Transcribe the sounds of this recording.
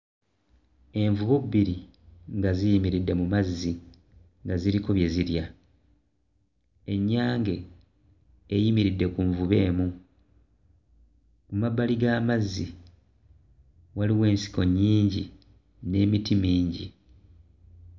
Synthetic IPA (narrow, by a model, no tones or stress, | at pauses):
e̞ɱvuβubiɾi | ŋɡazijimiɾidːe̞mumazːi | ŋɡaziɾikoβje̞ziɾja | e̞ɲːaːŋɡe̞ | jimiɾidːe̞kuɱvuβe̞ːmu | kumabːaliɡaːmazːi | waliwe̞ːnsi̥ko̞ɲːiːɲɟi | ne̞ːmitimiːɲɟḭ